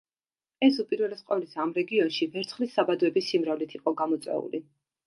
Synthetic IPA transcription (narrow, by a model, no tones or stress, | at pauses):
ɛsupʼiɾvɛlɛsqʼɔlisamɾɛɡiɔnʃivɛɾt̪sʰχlisːabad̪ɔɛbisimɾɔvlit̪ʰiqʼɔɡamɔt̪sʼwɛ̰ṵlḭ